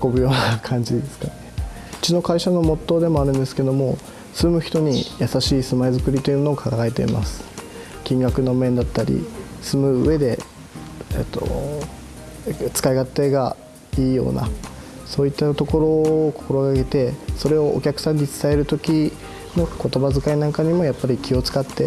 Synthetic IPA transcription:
ko̞bɯ̟jo̞ːnaakʰãɲ̟d͡ʑid̪e̞sɨ̥kane | ɯ̥t͡ɕino̞kaiɕano̞mo̞t̪ːo̞ːd̪e̞mo̞aɾɯ̟̃nd̪e̞sɨ̥ke̞d̪o̞mo̞ | sɨmɯ̟çi̥t̪o̞ɲ̟ijasaɕiːsɨmaezɨkɯ̟ɾʲit̪o̞iɯmonoːkʰaɡae̞t̪e̞ḭma̰sɨ̥ | kʲĩŋɡakɯ̟no̞mẽ̞nd̪at̪ːaɾʲḭsɨmɯ̟ɯ̟e̞d̪e̞ | ḛt̪ːo̞̰ | t͡sɨ̥kaiɡat̪ːeːɡa | iːjo̞̰ːna̰ | so̞ːit̪ːat̪o̞ko̞ɾo̞ːko̞̥ko̞ɾo̞ɡaɡe̞t̪e̞so̞ɾe̞o̞ʔːkʲakɯ̟̥sãɲ̟ːit͡sɨ̥t̪ae̞ɾɯ̟t̪o̞kʲi | no̞ko̞t̪o̞bazɨkainãŋkaɲ̟imo̞japːaɾʲikʲio̞t͡sɨ̥kat̪ːe̞

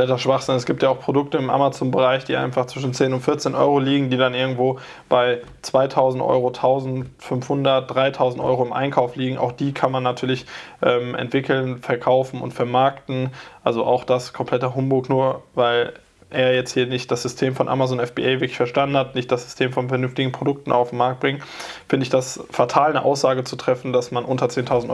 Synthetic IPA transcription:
ɛtdasʃv̥aχz̥ɪnɛsɡ̥iːptjaaʊxpʁ̥odʊk̚təɪmʔa̰mat͡soːnbəʁ̞aɪçd̥iːʔa̰ɪnfaχt͡sv̥ɪʃn̩t͡seːnʊntfɪɐt͡seːnʔɔ̰ʏʁoliːɡŋ̩diːdanʔɪɐɡŋ̩tv̥oː | b̥aɪ | t͡sv̥aɪtʰaʊzn̩tʔɔ̰ʏʁotʰaʊzn̩tfʏnfhʊndɐt̚d̥ʁaɪtʰaʊzn̩tʔɔ̰ʏʁoɪmʔa̰ɪnkʰaʊfliːɡŋ̩ʔa̰ʊxd̥iːkʰanmanːatʰyːɐlɪçʔɛːmʔɛ̰ntv̥ɪkʰl̩nfɛɐkʰaʊfn̩ʔʊ̰ntfɛɐmaɐktn̩ʔalzoʔa̰ʊxd̥askʰɔmpʰl̥ɛtɐɦʊmbʊlknuːɐvaɪl | ʔeːɐjɛt͡sthiːɐnɪçt̚d̥asz̥ʏstʰeːmfɔnʔa̰mazonɛfb̥ḭʔaɪvɪɐklɪçfɛɐʃtandn̩hatnɪçt̚d̥asz̥ʏ̥stʰeːmfɔnfɛɐnʏnftɪɡŋ̩pʁ̥odʊk̚tn̩ʔa̰ʊfm̩aɐk̚t̚bʁɪŋəfɪndəɪçd̥asfatʰaːlnə̰ʔa̰ʊsz̥aːɡət͡sutʁ̥ɛfn̩dasmanʔʊntɐt͡seːntʰaʊzn̩tʔ

